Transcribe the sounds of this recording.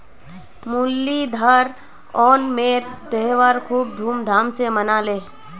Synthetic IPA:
mulːid̪ʱəɾ | ɔːnmeːɾt̪eɦʋaɾkʰuːb̚d̪ʱuːmd̪ʱaːmsemənaːleː

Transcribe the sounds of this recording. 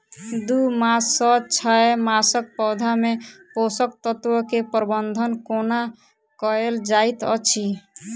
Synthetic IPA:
d̪umasɔt͡ʃʰɔemasək̚pɔwd̪ʱameposək̚t̪ɔt̪wɔkepɾbənd̪ʱənkona | kɔeld͡ʒajt̪ɔ̰t͡ʃʰi

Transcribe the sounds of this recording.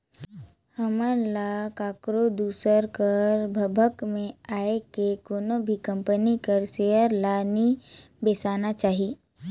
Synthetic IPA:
həməlakaːkɾod̪uːsəɾkəɾbʱɐbʱəkmẽaːekekoːnobʱikɐ̃mpənikəɾseəɾlaːnibeːsaːnat͡ʃaːɦi

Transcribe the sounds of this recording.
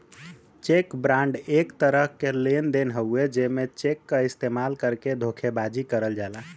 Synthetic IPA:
t͡ʃekbɾãɳɖekt̪əɾəɦkelend̪enɦəued͡ʒemet͡ʃekːəist̪emalkəɾked̪ʱokʰebad͡ʒikəɾəld͡ʒala

